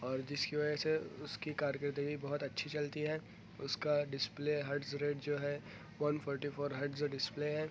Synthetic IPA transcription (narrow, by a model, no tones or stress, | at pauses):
ɔːɾd͡ʒɪskiʋɐd͡ʒəseʊskikaːɾjəkəɾt̪ə̃ɡʱibɐɦʊt̪ɐtːʃʰit͡ʃɐlt̪iɦɛ | ʊskaɖɪspleːɦɐʈsɾeːʈd͡ʒoːɦɛ | ʋɐnfʰɔːɾʈifʰoːɾɦɐɾʈzɖɪspleːɦɛː